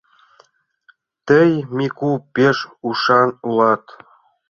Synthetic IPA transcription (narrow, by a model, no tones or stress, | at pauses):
t̪əjmikupeʃuʃɑnulɑt̪